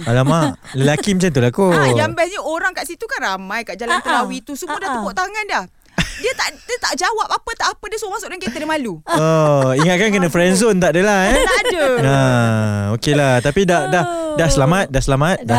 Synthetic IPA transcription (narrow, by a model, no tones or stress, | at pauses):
alamaʔləlakiməɲt͡ʃant̪ulakojambɛsɲaoɾaŋkaʔsit̪ukanramãjkaʔd͡ʒalannt̪əlawit̪usuudaht̪əbɔʔt̪aŋandah | diət̪aʔdət̪aʔd͡ʒawap̚apət̪aʔapədiəsuomasʊʔdaŋket̪ədəmaluoiŋat̪̚kankənə̃fɾɛnsont̪aʔdəlaɛdəa | okelaht̪apidahdahdahsəlamat̪̚dahsəlamat̪̚da